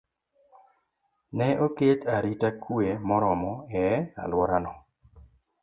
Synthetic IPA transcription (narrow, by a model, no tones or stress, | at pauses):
nɛʔoketaɾitakuemɔɾɔmɔɛa̰lwɔɾanɔ